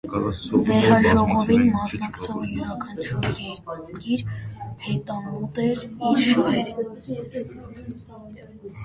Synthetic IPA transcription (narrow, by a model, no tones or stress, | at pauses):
vɛɾɑʒɔʁɔvinmɑsnɑkt͡sʰɔʁjuɾɑkʰənt͡ʃʰuɾjɛt̪ɑmɡiɾhɛt̪ɑnɔt̪ɛɾiɾʃɔhɛɾ